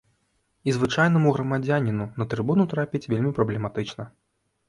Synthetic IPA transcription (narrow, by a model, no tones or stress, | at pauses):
izvɨt͡ʂajn̪ɐmuɣɾɐmad͡zʲanʲinunɐt̪ɾɨbunut̪ɾapʲit͡sʲvʲelʲmʲipɾɐblʲɛmat̪ɨt͡ʂnɐ